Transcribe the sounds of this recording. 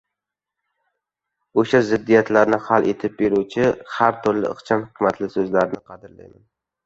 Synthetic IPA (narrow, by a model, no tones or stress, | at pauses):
oʃazɪd̪ːijat̪laɾnɪhalʔet̪ʰɪp̚beɾut͡ʃʰɪhaɾt̪ʰʊɾlɪ̰ɨ̰qt͡ʃʰamhɪmat̪ʰlɪsɵzlaɾɪnɪqʰɑd̪ɪɾla̰jman